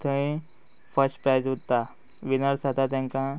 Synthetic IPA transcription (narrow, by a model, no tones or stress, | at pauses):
t̪ʰəmĩ | fəsʈpɾajd͡zɦut̪t̪ːa | ʋinəɾsad̪ʱat̪jãŋkã